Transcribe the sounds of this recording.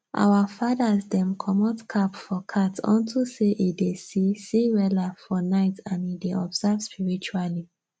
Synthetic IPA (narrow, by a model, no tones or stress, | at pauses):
ʔa̰wafadazdɛ̃mkʰɔmɔtkʰapfɔkʰatɔ̰̃ntʰuseʔidesisiɹɛlafɔnaɪtãnideɔbzavspiɹit͡ʃuali